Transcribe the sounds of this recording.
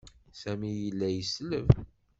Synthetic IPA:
sæmijəlːæjəsləv

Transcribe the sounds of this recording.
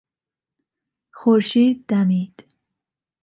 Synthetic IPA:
χuɾʃiːd̪̚ːamid̪̥

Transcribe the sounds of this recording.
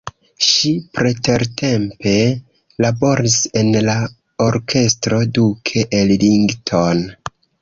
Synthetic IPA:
ʃipɾete̞ɾtʰe̞mpe̞ | labo̞ɾise̞nla | oɾkʰe̞stɾo̞dukʰeʔːlliŋɡtʰon

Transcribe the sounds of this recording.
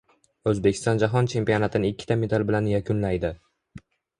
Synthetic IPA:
ɵzbekʲɪ̥st̪ɒnd͡ʒaɦɒnt͡ʃʰe̞mpijo̞nat̪ʰɪnɪɪkʲːɪ̥t̪ʰame̞d̪albɪlanjakʲʰʊnlajd̪ɪ

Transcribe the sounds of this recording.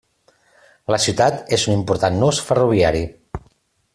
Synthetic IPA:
ləsiwt̪at̪ezunimpuɾt̪anːusfəruβ̞iaɾi

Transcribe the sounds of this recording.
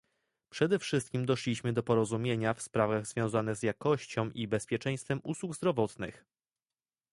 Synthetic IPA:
pʂɛd̪ɛfʂɘst̪kʲimd̪ɔʂlʲiɕmɘd̪ɔpɔɾɔzumʲjeɲafspɾavaɣz̥vʲjɔ̃w̃zanɘɣzjakɔɕt͡ɕɔ̃w̃ʔibɛspʲjɛt͡ʂɛ̃j̃st̪fɛmʔuswuɡzd̪ɾɔvɔt̪nɘ̰x

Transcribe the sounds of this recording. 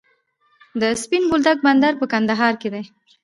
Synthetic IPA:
d̪əspinbold̪ak̚band̪aɾpəkand̪aɦɑɾked̪e

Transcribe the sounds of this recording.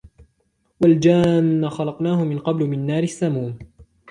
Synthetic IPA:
wald͡ʒaːnːaxɑlɑqnaːhʊmɪnqɑblʊmɪnːaːɾɪsːamuːn

